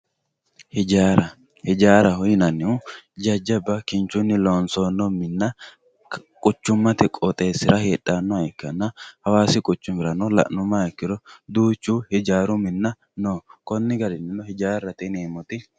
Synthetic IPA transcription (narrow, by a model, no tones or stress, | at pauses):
hɪd͡ʒaɾɐ | hɪd͡ʒaːɾɐhʊjɪnɐnːɪʊd͡ʒɐd͡ʒːɐbɐkɪnt͡ʃːʊnːɪloːnsoːnːɔmɪnːɐ | kʼʊt͡ʃːʊmːɐt̪ɛkʼɔt̪ʼeːsːɪɾɐheːᶑːanːɔɐɪkːɐnːɐhɐwaːsɪkʼʊt͡ʃːʊmɪɾɐnɔlɐ̰ʔnʊmːɐɛkːɪɾɔd̪uːt͡ʃːuhɪd͡ʒaːɾʊmɪnːɐ | noːkɔnːɪɡɐɾɪnɪnɔhɪd͡ʒaːrːɐt̪ɛneːmɔt̪ɪ